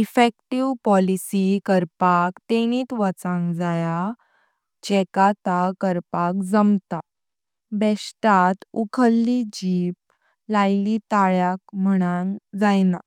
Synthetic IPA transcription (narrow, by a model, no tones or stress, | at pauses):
ifekʈiʋpɔlisikəɾpakt̪eɽ̃iːt̪ʋət͡sãŋɡd͡zaja | t͡ɕɛkat̪akəɾpakd͡zəmt̪a | bɛsʈat̪ukʰəlːid͡ʑip̚ | lajlit̪aɭjak̚m̤əɽ̃aŋd͡zajna